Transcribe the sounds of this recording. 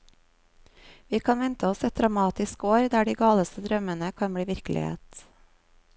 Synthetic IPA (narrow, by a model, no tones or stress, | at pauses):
ʋiːkʰɑːnʋɛnt̪ʰəɔsɛt̪̚d̪ɾɑmɑːt̪ɪskoːɾd̪æːɖiːɡɑːləst̪əd̪ɾœmənəkʰɑnbɽiːʋɪɾklʔɪ̰hḛːt̪